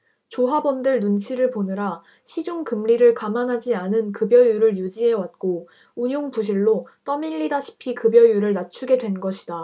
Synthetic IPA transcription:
t͡ɕoɦabʌndɯɭnunt͡ɕʰiɾɯɭponɯɾa | ɕʰid͡ʑuŋkɯmɾiɾɯɭkamanɦad͡ʑianɯnkɯbjʌjuɾɯɭjud͡ʑiɦe̞wat̚k͈o | uɲoŋpuɕ̬ʰiɭːot͈ʌmiʎːidaɕʰi̥pʰikɯbjʌjuɾɯɭnat͡ɕʰuɡe̞dwe̞nɡʌɕʰida

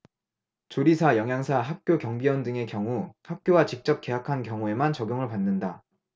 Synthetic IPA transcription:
t͡ɕoɾisʰajʌŋɦjaŋsʰaɦak̚k͈jokjʌŋbiwʌndɯŋe̞kjʌŋuhak̚k͈jowat͡ɕik̚t͡ɕ͈ʌp̚k͈e̞ɦakʰankjʌŋue̞mant͡ɕʌɡʲjoŋɯɭpanːɯnda

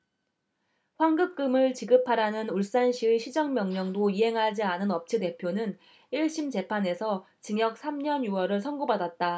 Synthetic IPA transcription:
ɸwaŋɡɯk̚k͈ɯmɯɭt͡ɕiɡɯpʰaɾanɯnuɭs͈anɕʰiɯɕʰid͡ʑʌŋmjʌŋɲʌŋdoiɦe̞ŋɦad͡ʑianɯnʌp̚t͡ɕʰide̞pʰjonɯn | iɭɕ͈imt͡ɕe̞pʰane̞sʰʌ | t͡ɕiŋjʌk̚sʰamɲʌnjuwʌɾɯɭsʰʌŋɡobadat̚t͈a

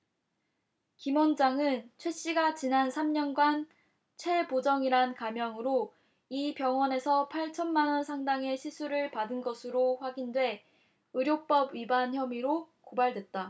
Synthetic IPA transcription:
kimond͡ʑaŋɯnt͡ɕʰwe̞ɕ͈iɡat͡ɕinansʰamɲʌnɡwan | t͡ɕʰe̞pod͡ʑʌŋiɾankamjʌŋɯɾo | ipjʌŋwʌne̞sʰʌpʰaɭt͡ɕʰʌnmanʌnsʰaŋdaŋe̞ɕʰisʰuɾɯɭpadɯnɡʌsʰɯɾoɸwaɡindwe̞ | ɯɾjop͈ʌbɥibançjʌmiɾokobaɭdwe̞t̚t͈a

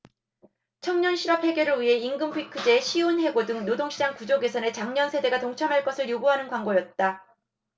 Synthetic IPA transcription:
t͡ɕʰʌŋɲʌnɕʰiɾʌphe̞ɡjʌɾɯɭɥiɦe̞iŋɡɯmpʰuikʰɯd͡ʑe̞ɕʰionɦe̞ɡodɯŋnodoŋɕʰid͡ʑaŋkud͡ʑoɡe̞sʰʌne̞t͡ɕaŋɲʌnsʰe̞de̞ɡatoŋt͡ɕʰʌmɦaɭk͈ʌsʰɯɭjoɡuɦanɯnkwaŋɡojʌt̚t͈a

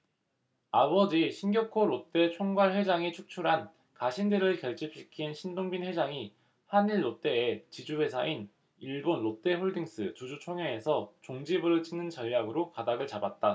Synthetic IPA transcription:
abʌd͡ʑiɕʰinɡjʌkʰoɾot͈e̞t͡ɕʰoŋɡwaɭɸwe̞d͡ʑaŋit͡ɕʰuk̚t͡ɕʰuɾɦan | kaɕʰindɯɾɯɭkjʌɭt͡ɕ͈ip̚ɕ͈ikʰinɕʰindoŋbinwe̞d͡ʑaŋi | haniɭːot͈e̞ːt͡ɕid͡ʑuwe̞sʰaʔin | iɭbonɾot͈e̞ɸoɭdiŋs͈ɯtud͡ʑut͡ɕʰoŋjʌesʰʌt͡ɕoŋd͡ʑibɯɾɯɭt͡ɕʰinɯnt͡ɕʌʎːjaɡɯɾokadaɡɯɭt͡ɕabat̚t͈a

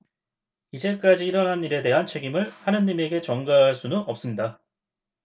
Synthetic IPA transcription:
id͡ʑe̞k͈ad͡ʑiːɾʌnɦaniɾe̞de̞ɦant͡ɕʰe̞ɡimɯɭhanɯɲime̞ɡe̞t͡ɕʌŋɡaɦaɭs͈unɯnʌp̚s͈ɯmɲida

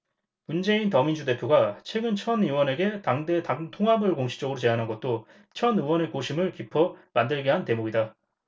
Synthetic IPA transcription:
mund͡ʑe̞intʌmind͡ʑude̞pʰjoɡat͡ɕʰwe̞ɡɯnt͡ɕʰʌniwʌne̞ɡe̞taŋdetatʰoŋɦabɯɭkoŋɕʰi̥t͡ɕ͈ʌɡɯɾot͡ɕe̞ɦanɦanɡʌt̚t͈o | t͡ɕʰʌnɯwʌne̞koɕʰimɯɭkipʰʌmandɯɭɡeɦante̞moɡida

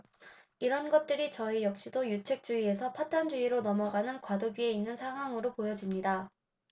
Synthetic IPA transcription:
iɾʌnɡʌt̚t͈ɯɾit͡ɕʌijʌk̚ɕ͈idojut͡ɕʰe̞k̚t͡ɕ͈uie̞sʰʌpʰat̚t͈and͡ʑuiɾonʌmʌɡanɯnkwadoɡie̞inːɯnsʰaŋɦwaŋɯɾopojʌd͡ʑimɲida

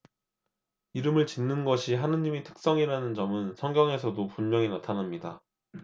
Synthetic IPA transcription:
iɾɯmɯɭt͡ɕinːɯnɡʌɕʰiɦanɯnɲimitʰɯ̥k̚s͈ʌŋiɾanɯnd͡ʑʌmɯnsʰʌŋɡjʌŋe̞sʰʌdopunmjʌŋinatʰanamɲida

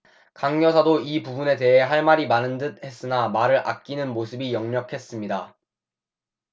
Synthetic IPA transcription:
kaŋɲʌsʰadoipubune̞te̞ɦe̞ɦaɭmaɾimanɯndɯd̚he̞s͈ɯnamaɾɯɭʔa̰k̚k͈inɯnmosʰɯbijʌŋɲʌkʰe̞s͈ɯmɲida

